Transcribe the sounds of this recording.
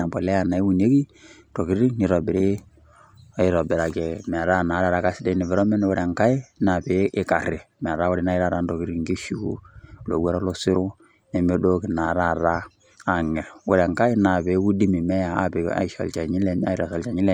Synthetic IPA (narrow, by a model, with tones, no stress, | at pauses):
na˨bɔ˨lɛ˦ja˨na˨i˦wu˨ne˦ki˦ | to˨ki˦ɾi˦ni˨ɾɔ˨bɪ˨ɾe˦ | ɪ˦ɾɔ˨bɪ˨ɾa˨kɛ˨mɛ˨ɾa˦na˨˦ɾa˨ɾa˦ka˦sɪ˦dɛ˦nɪ˨vɛ˨ɾɔ˦mɛ˦n˦wʊ˦ɾɛ˨ŋka˦i˦na˨pe˦ʔɪ˦ka˨ɾɪ˨m˨ɛ˨ɾa˦wʊ˦ɾɛ˦na˦ɪ˦ɾa˦˨ɾa˦ndo˨ki˦ɾi˦ŋɡi˦ʃu˦kṵ˦lo̰˨wɛ˦ɾɔ˦lo˦sɪ˦ɾʊ˦ | nɛ˨me˦do˦ki˨na˨ɾa˦ɾaː˦˨ | ŋɛ˨wʊ˦ɾɛ˨ŋka˦ɪ˦na˨be˨˦u˦di˦mi˨mɛ˦ja˨a̰˦pɪ˨˦a̰˨ɪ˦ʃɔ̰˨lt͡ʃa˨ɲɪ˦lɛ˦na̰˦ɪ˦ɾa˨sɔ˨lt͡ʃa˨ɲɪ˦lɛ˦˨